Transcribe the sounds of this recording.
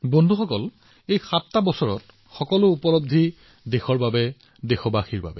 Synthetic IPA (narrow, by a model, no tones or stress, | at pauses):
bondʱuxɔkɔl | ejxatːabɔsɔɹɔ̰t | xɔkɔlʊupɔlob̚d̪ʱi | dexɔɹbabɛ | dexɔbaxiɹba̰bɛ